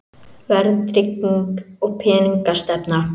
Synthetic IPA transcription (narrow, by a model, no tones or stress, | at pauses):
vɛɾðt̪ɾɪciŋkɔɣpʰɛːniŋkast̪ɛpna